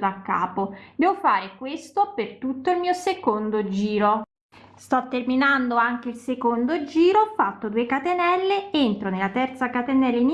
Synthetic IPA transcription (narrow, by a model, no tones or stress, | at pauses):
d̪akːaːpod̪ɛːvofaːɾekwest̪opert̪ut̪ːoilmiːosekond̪od͡ʒiːɾo | st̪ɔt̪ːerminand̪oaŋk̟eilsekond̪od͡ʒiːɾofat̪ːod̪uːekat̪enɛlːeent̪ɾonelːat̪ɛrt̪sakat̪enɛlːein